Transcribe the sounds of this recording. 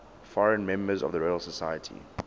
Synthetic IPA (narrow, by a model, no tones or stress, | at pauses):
fɔɹə̃nmɛ̃mbəzɔ̰vðəɹɔɪəlˠsəsajətʰḭ